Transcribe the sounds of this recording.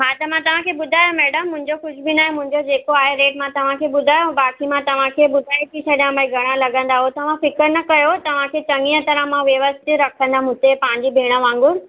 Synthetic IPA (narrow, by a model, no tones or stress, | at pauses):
ɦaːt̪ɐmãt̪ɐʋ̤ãkʰeːbʊd̪ʱaːjomɛːɖəmːʊ̃ɦɪ̃ɲd͡ʑoxʊʃʰbinaːɦẽmʊ̃ɦɪ̃ɲd͡ʑod͡ʑeːkoaːɦeɾeːʈmãt̪ɐʋ̤ãkʰeːɓʊd̪ʱaːjobaːkimãt̪ɐʋ̤ãkʰeɓʊd̪ʱaːit̪ʰisɐɗijãbaiɡʱɐɽ̃ãlɐɡə̃nd̪aɦot̪ɐʋ̤ãfɪkəɾnɐkɐjot̪ɐʋ̤ãkʰeːt͡ɕɐ̃ŋijə̃t̪ɐɾãmãʋeʋəst̪iɾɐkʰə̃nd̪amʊ̃t̪epãːɪ̃ɲd͡ʑibʱeːɽ̃əʋãːŋ̆ɡʊɾ